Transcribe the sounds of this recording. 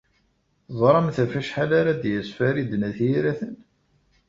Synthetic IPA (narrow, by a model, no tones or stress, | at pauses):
zˤɾˤɑmθæfæʃħalaɾad̪jəsfæɾid̪næθjiɾæθən